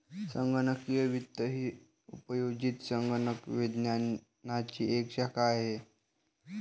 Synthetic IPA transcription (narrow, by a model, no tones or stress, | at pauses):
səŋɡənəkijəʋit̪ːəɦiː | upəjoɡit̪səŋɡənəkʋid̪nja | nat͡ɕiːekɕakʰaːɦe